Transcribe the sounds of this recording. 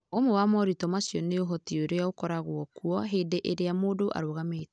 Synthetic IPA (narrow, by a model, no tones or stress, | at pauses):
omowamɔɾitɔmasjɔneoɦɔtioɾojaokɔɾaɣwɔkuɔɦedeʔeɾeamoːdoʔa̰ɾoɣameːtɛ